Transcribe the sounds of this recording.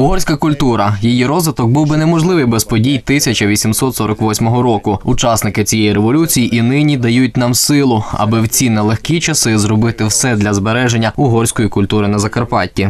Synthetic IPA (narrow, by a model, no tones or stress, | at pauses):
ʊɦɔrʲsʲkɐkʊlʲt̪uɾɐjijiɾɔzʋɪt̪ɔk̚buwbɪnɛmɔʒlˠɪʋɪjbɛspɔdʲijt̪ɪsʲɐt͡ʃɐʋʲisʲimsɔt̪sɔɾɔkʋɔsʲmɔɦɔɾɔkʊʊt͡ʃɑsnɪkɪt͡sʲijɛjiɾeʋɔlʲut͡sʲijiʔinɪnʲid̪ɐjut̚ʲnɑmsɪlˠʊɐ̰bɪwt͡sʲinɛlˠexkʲit͡ʃɐsɪzrɔbɪt̪ɪwsɛd̪lʲɐzbeɾɛʒenʲːɐʊɦɔrʲsʲkɔjikʊlʲt̪uɾɪnɐzɐkɐrpɑtʲːi